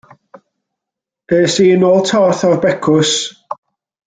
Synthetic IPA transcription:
eːsiːnoːlˠtʰɔrθɔrbɛkʰʊs

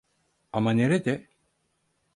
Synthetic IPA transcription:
amaneɾed̪e

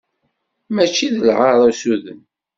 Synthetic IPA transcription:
mæt͡ʃːiðəlʁɑɾˤusuðən

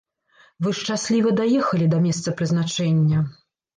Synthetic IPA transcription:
vɨʂt͡ʂasʲlʲivɐd̪ajɛxɐlʲid̪ɐmʲɛst̪sɐpɾɨznat͡ʂɛnʲːɐ

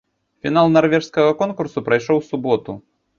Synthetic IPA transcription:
fʲinalˠnarvʲɛʂskɐɣɐkɔnkursupɾɐjʂɔwsubɔt̪u

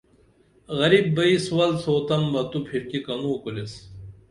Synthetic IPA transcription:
ɣɐɾibːɐiswɐlsʰoːt̪ɐmbɐt̪upʰiɾkikɐnuːkules

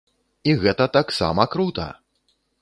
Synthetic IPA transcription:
iɣɛt̪ɐt̪aksa̰mɐkɾut̪ɐ̰

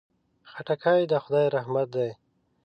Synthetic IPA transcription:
xaʈakʰajd̪əxʊd̪ɑjɾahmat̪̚d̪aj

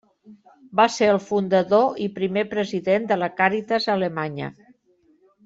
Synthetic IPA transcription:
baseəlˠfund̪əðoipɾimepɾəziðend̪ələkaɾit̪əzələmaɲə̰

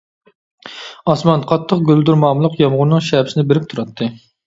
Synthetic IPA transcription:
ɑsmɑnqʰɑt̪ʰːəq̚ɡʲøld̪uɾmɑːmlˠəqjɑmʁʊɾnɨŋʃɛbsɪnɪbɪɾɪp̚t̪ʰuɾɑt̪ʰːɨ

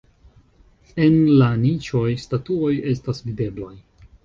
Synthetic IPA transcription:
e̞nlanit͡ʃo̞jstatuo̞je̞stasvide̞blaj

